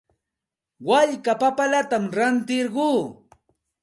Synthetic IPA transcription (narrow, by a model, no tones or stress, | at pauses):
waʎkapapalat̪amɾant̪ɪɾɢuː